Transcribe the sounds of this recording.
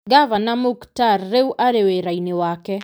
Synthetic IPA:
ɡavanamuktarːeuʔaɾeweɾainewakɛ

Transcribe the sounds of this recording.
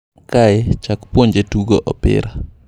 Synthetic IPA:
kaɛt͡ʃakpwoɲd͡ʒetuɡoʔɔ̰pɪ̰ɾa

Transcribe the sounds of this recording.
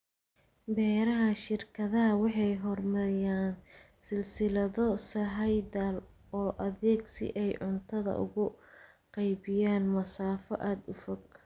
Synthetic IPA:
bɛːɾɐɦɐʃɪrkʰɐðɐɦɐwɑħɑjɦɔrmɐɪjaːn | sɪlsɪlɐðɔsɐɦɐjd̪aːl | ɔːʔɐðɛːɡsɪ̰ʔɛjʕʊnt̪ʰɐðɐ̰ʔʊ̰ɣʊ | qɑjbɪjaːnmɐsaːfɔʔaːd̪ʊfɔɡ

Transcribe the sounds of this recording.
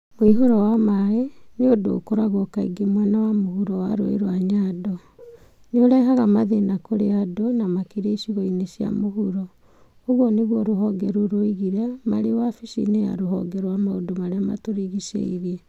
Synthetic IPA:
moiɦoɾɔwamaɣeneodo̰koɾaɣɔkaḭɡemwɛnawamohuɾɔwa̰ɾo̰ḛɾwaɲadɔ | neoɾaiɦaɣamaðenakoɾeadonamakiɾaisiɣɔinesja̰moɦuɾɔ | oɣwɔneɣwɔɾoɦɔɡɛɾoɾoiɣiɾɛmaɾewafiʃḭneja̰ɾoɦɔ̰ɡɛɾwamaodomaɾeama̰toɾiɣisḛiɾiɛ

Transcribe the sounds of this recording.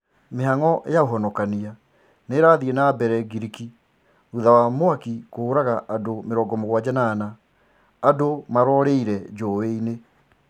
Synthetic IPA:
meɦaŋɔʔḛjaoɦɔnɔkania | neɾaðienabɛɾɛɡiɾiki | uðawamoakikoːɾaɣaʔadomeɾɔːɡɔmoɣwad͡ʑanaːnaː | domaɾɔɾeiɾɛd͡ʒoweine

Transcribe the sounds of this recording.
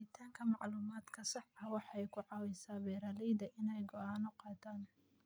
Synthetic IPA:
ɪt̪ʰaːŋkʰɐmɑʕluːmaːd̪kʰɐsɑħɐwɑħɑɛjkʰʊʕɑːwɛjsaːbɛːɾaːlɛjd̪ɐʔɪnɛjɡɔʔaːnʊqɑːt̪ʰaːn

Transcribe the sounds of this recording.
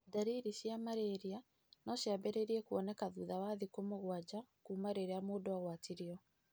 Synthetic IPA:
daɾiɾiɕjamaɾeɾia | nɔɕjabɛɾeɾiɛkuɔnɛkaðuːðawaðikomoɣwad͡ʑakuːmaɾeɾeamoːdoaɣwatiɾiɔ

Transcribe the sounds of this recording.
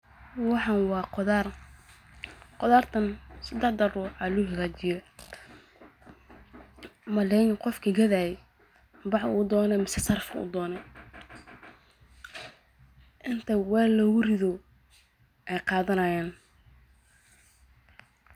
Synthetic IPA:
wɑħɑnwɑːðr | qɔðaːrt̪ʰɐnsɐd̪ɛħd̪ɐruːʕɑlʊɦɐɣaːt͡ʃɪjɔ | mɐlɛjnqɔfkʰɐɡɐðaːjɛ | bɑʕuːd̪ɔːnɛmɪsɛsɐrfṵːd̪ɔːnɛ | ʔɪnt̪ʰɐwɛːlɔːɣʊrɪðɔ | ʔɛjqɑːðɐnɐjaːn

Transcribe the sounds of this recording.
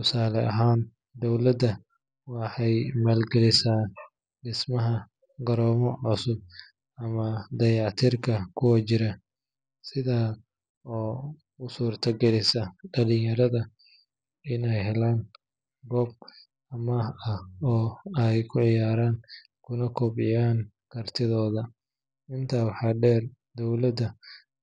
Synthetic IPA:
tʰʊsaːlɛɐɦaːn | d̪ɔwlɐd̪ɐ | wɑħɑjmaːlɡɛlɪsaː | ɖɪsmɐɦɐ | ɡɐɾɔːmɔʕʊsʊb̚ | ɐmɐd̪ɐjɑʕt̪ʰirkʰɐkʰʊwɐt͡ʃɪɾɐ | sɪðaː | ɔː | ʊsuːrt̪ʰɐɡɛlɪsɐɖɐlɪjɐɾɐðɐ | ɪnɛjɦɛlaːn | ɡɔːb̚ | ɐmɐhɐhɔːɛjkʰʊʕɪjaːɾaːn | kʰʊnɐkʰɔbɪjaːn | kʰɐrt̪ʰɪðɔːðɐ | ɪnt̪ʰaːwɑħɑːɖɛːr | d̪ɔwlɐd̪ɐ

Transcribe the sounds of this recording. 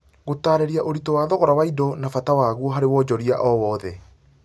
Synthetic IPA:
ɣotaːɾɛɾiaʔoɾitɔwaːðɔɣɔɾawaidɔnafatawaːɣuɔɦaɾewɔːd͡ʑɔɾiaʔɔwɔːðɛ

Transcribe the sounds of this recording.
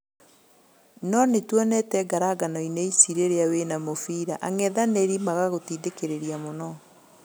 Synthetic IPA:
nɔnetwɔnɛtɛɡaɾaɡanɔineisiɾeɾeawenamofiɾaʔaŋɛðaneɾimaɣaɣotiːdekeɾeɾiamonɔ

